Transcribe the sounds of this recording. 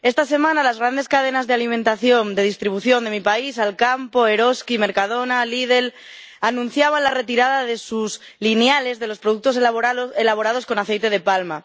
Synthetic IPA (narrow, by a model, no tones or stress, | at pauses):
e̞st̪ase̞mãnalazɣɾand̪e̞skað̞e̞nazðe̞alimẽnt̪aθjo̞nd̪e̞ð̞ist̪ɾiβ̞uθjo̞nd̪e̞mipaisalkampo̞e̞ɾo̞skime̞ɾkað̞o̞nalið̞e̞l | anũnθjaβ̞anlare̞t̪iɾaðaðe̞suz | lineale̞zðe̞lospɾoðuk̚t̪oselaβ̞o̞ɾað̞o̞sko̞naθe̞jt̪e̞ð̞e̞palma